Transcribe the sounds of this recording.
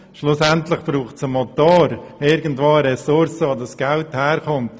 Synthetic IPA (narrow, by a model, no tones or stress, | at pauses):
ʃlʊsɛntlɪχb̥ɾuːχtsəmɔt̪oːɾɪɾɡən̩tvoːəɾɛsʊɾsəodɑsɡ̥ɛlthɛːɾkɔmt